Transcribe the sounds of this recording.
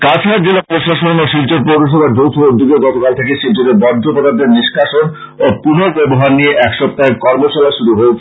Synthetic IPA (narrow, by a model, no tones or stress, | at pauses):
kat͡ɕʰaɾd͡ʑelopɾoʃaʃonoʃilt͡ɕoɾpɾowɾoʃ̬obaɾd͡ʑowt̪ʰoɾod̪ːiɡeɡɔt̪okalt̪ʰekeʃilt͡ɕoɾeɾbɔɾopod̪ad̪eɾniʃkʰaʃon | opunobɛboɦaɾnieʔɛkʃɔb̚t̪aekɔɾmoʃɔlaʃuɾuɦoo